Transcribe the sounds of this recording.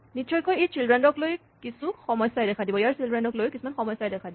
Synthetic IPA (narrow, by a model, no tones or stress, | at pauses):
nit͡ʃɔjkɔjejsilɹɛndɔkloj | kisuxɔmɔjsajdɛkʰadibɔjaɹsilɹɛndɔklojkisumanxɔmɔjsajdɛkʰadibɔ